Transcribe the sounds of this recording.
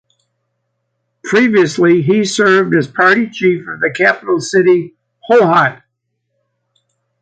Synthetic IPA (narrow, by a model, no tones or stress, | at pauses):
pʰɹ̥iviɨsliisɜ˞vdɨz̥pʰɑɹɾit͡ʃʰifʌvðɨkʰæpəɾl̩ˠsɪɾi | hoʊɦɑt̚